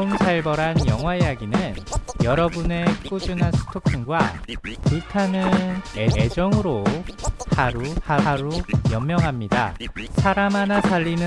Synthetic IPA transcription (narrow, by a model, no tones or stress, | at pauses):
nsʰaɭbʌɾanjʌŋwaijaɡinɯnjʌɾʌbune̞k͈ud͡ʑunansʰu̥tʰokʰinɡwapuɭtʰanɯnee̞d͡ʑʌŋɯɾo | haɾuhaɾujʌmːjʌŋɦamɲida̰sʰaɾamanasaʎːinɯ